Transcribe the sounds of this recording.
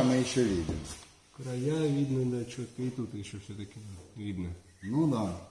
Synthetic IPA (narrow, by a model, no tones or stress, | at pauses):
mɪiʃɔʋʲid̪ɪ̰mɔ | kɾɐjaʋʲid̪nɪd̪ɐt͡ʃɔk̪ɪjt̪ut̪ɪʃt͡ʃɔwsʲɛt̪ɐkʲɪʋʲid̪nɛ | nud̪ɑ